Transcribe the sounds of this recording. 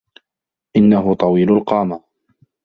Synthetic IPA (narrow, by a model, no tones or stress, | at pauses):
ʔɪnːaɦʊt̪ˤɑwiːlʊlqɑːma